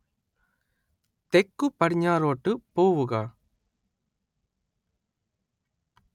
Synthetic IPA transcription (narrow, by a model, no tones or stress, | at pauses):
t̪ɛkːɯpːɐɽɪɲːaːɾoːʈːɯpoːʋɯɣɐ